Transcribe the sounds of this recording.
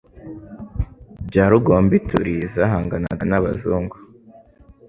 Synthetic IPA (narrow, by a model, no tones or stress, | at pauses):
bɟaːɾuɡoːmbitṵɾizaɦaːŋɡanaɡanaβa̰zuːŋɡu